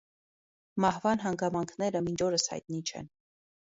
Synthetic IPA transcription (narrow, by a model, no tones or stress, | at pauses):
mɑhvɑnɦɑŋɡɑmɑŋkʰnɛɾəmind͡ʒʰɔɾəshɑ̰jt̪̚nit͡ʃʰɛ̰n